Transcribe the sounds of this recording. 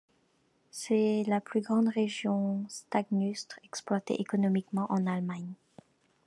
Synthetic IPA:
sɛlaplyɡʁɑ̃d̪ʁeʒjɔ̃st̪aɡnyst̪χɛksplwat̪ḛʔekɔnɔmikmɑ̃ʔɑ̃nalmaɲ

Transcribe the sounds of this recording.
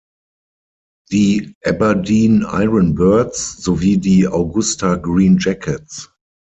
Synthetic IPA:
ðiːʔɛbədĩːna̰ɪɹə̃nbɜɐtsz̥oviːdiːaʊɡʊstaɡɹĩːnd͡ʒɛkʰɛts

